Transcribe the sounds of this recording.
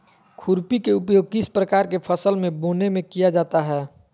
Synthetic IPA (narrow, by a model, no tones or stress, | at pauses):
kʰʊɾpikeʊpjoːɡ̚kɪspɾəkaːɾkepʰəsəlmẽboːnemẽkijad͡ʒaːt̪aɦɛː